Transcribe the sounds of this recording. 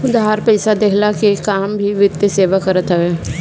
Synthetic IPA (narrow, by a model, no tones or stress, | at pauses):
ʊd̪aaɾpɛɪsad̪eɦɪlakekaːmbʱiʋɪt̪ːeseːʋakɐɾət̪ʰɐʋo